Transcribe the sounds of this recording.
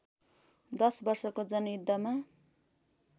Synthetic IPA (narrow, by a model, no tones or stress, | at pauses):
d̪ʌsbʌrsʌkod͡zʌnjud̪ʱːʌma